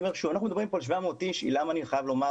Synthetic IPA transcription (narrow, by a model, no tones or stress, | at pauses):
meʁʃuvanaχnumd̪bʁimpoalʃvamot̪iʃḭlamaːniχajavlo̞ma